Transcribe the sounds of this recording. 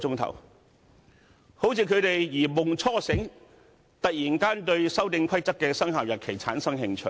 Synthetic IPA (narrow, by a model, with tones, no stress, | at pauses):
ʊ˥ŋt̪ʰɐ̰˨˩w | ho˨˥wt͡sʰiː˨˧kʰɵ˨˧ɥt̪e˨jjiː˨˩mʊ˨ŋt͡sʰɔː˥sɪ˨˥ŋ | t̪ɐ˨k̚jiː˨˩nkaː˥nt̪ɵ˧ɥsɐ˥wt̪ɪ˧ŋkʰɐ˥jt͡sɐ˥kːɛː˧sɐ˥ŋɦaː˨wjɐ˨t̚kʰe˨˩jt͡sʰa̰ː˨˥nsɐ˥ŋhɪ˧ŋt͡ʃʰɵ̰˨˩